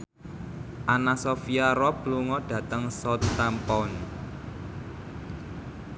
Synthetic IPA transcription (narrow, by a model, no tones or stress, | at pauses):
ʔanasɔfiaɾɔb̥luŋɔɖ̥ä̤t̪əŋsɔt̪ːampɔn